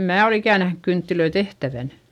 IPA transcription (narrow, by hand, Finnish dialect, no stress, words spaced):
mæː ol ikæˑ næhnyk kyntːiløi tehtæʋæn